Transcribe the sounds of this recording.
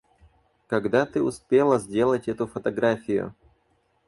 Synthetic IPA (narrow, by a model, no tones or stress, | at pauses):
kɐɡd̪at̪ɨʊspʲe̞lˠəzʲdʲe̞lˠətʲɛt̪ʊfət̪ɐɡɾafʲɪjʊ̰